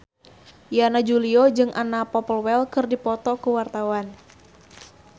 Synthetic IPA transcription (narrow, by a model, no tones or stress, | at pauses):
janad͡ʒuliɔd͡ʒɨŋʔanapɔpəlwɛlkɨrdipɔt̪ɔkuwart̪awan